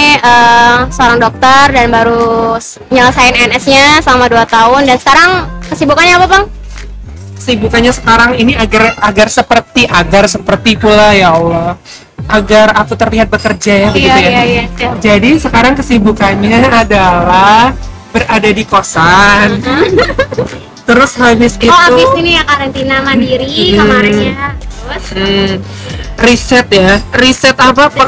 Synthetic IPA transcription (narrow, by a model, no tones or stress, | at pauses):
ʔəsəoɾaŋdɔk̚t̪ərdanbaɾu | ɲələsaɪnɛnɛsɲasəlamaduat̪aɦʊndansə̥kaɾaŋkəsibukanɲaːpapaŋ | kə̥sibukanɲasə̥kaɾaŋiniaɡaraɡarsəpərt̪iʔaɡarsəpərt̪ipulajaolɔ | ʔaɡarakut̪ərliɦat̪̚bəkərd͡ʒajabəut̪ujad͡ʒadisəkaɾaŋkəsibukanɲaːdalah | bəradadikosan | t̪əɾʊshabɪsɡihaubɪsinijakaɾant̪inamadiɾikəmaɾɪa | m̩ | risɛt̪̚jarisɛt̪apapa